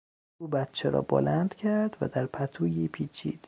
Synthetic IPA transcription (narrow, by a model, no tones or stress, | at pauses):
uːbæt̪t͡ʃʰeɾɒ̰ːbo̰lænd̪̥cʰæɾd̪̥væ̰d̪æɾpʰæt̪ʰuːjipʰiːt͡ʃʰḭːd̪̥